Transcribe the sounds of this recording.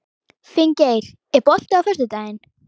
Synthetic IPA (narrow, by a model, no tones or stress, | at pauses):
fɪɲcejɾ̥ | ɛpɔl̥t̪ʏawfœst̪ʏt̪aːjɪn